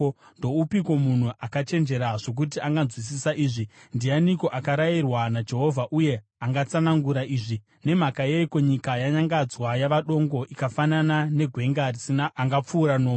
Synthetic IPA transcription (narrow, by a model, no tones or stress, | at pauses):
ndo̞upikwo̞mun̤uakat͡ʃe̞nd͡ʒe̞ɾaʐo̞k̬ut̬iaŋɡand͡zwis̬isaʔiːʐindianiko̞ʔakaɾajirwanad͡ʒe̞ɦo̞vʱaʔuje̞ | aŋɡat͡sanaŋɡuɾaʔiːʐi | ne̞m̤akajeiko̞ɲikajaɲaŋɡad͡zwajaʋaɗo̞ŋɡo̞ʔikafananane̞ɡʱwe̞ŋɡarisinaːŋɡap͡fuːɾanoː